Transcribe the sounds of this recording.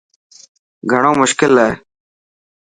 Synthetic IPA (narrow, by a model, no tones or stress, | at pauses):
ɡʱəɳ̃õːmʊʃkɪlːae